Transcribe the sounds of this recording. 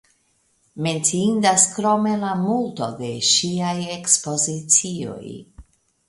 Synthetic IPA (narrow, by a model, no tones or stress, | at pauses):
me̞nt͡siindaskɾo̞me̞lamulto̞de̞ʃiaje̞kspo̞zit͡sio̞̰j